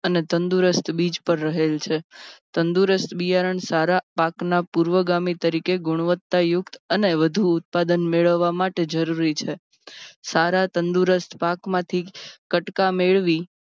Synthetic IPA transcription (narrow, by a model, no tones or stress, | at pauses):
ənet̪ənd̪uɾəst̪ʰbid͡ʒpəɾːəɦelt͡ʃʰet̪ənd̪uɾəst̪ʰbijaɾəɳsaɾapaknapuɾʋəɡamit̪əɾikeɡʊɽ̃ʋət̪ːajʊkt̪əneʋəd̪ʱuːt̪̚pad̪ənmeɭəʋːamaʈed͡ʒəɾuɾit͡ʃʰe | saɾat̪ənd̪uɾəst̪ʰpakmãt̪ʰikəʈkameɭʋi